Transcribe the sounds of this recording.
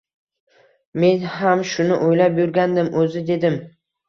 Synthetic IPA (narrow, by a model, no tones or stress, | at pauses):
me̞nɦamʃʊnɪʔojlapjʊɾɡʲand̪ɪmʔɵzɪd̪e̞d̪ɪm